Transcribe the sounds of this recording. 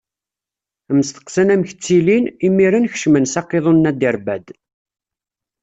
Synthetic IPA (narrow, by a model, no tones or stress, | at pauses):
əməst̪ə̥qsənæmçə̥t͡sːilinimːiɾənçʃmənsɑqːeðˤonːæd̪əɾbæd̪